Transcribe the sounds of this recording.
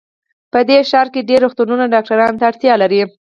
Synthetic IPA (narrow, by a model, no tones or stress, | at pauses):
pəd̪eʃɑɾkeɖeɾːoxt̪ununaɖɑk̚ʈaɾɑnt̪aːɽt̪jɑlaɾi